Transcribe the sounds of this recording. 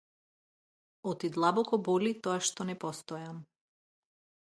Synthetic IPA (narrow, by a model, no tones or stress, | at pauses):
ɔt̪id̪lˠabɔkɔbɔlit̪ɔaʃt̪ɔnɛpɔst̪ɔjam